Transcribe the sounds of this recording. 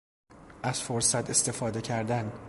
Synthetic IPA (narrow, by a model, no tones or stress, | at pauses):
æz̥foɾsæt̪ʰe̞st̪e̞fɒːd̪e̞cʰæɾd̪æn